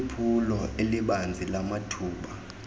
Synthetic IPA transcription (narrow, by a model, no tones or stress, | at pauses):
pʰulɔeliɓand͡zʱilamatʰuːɓa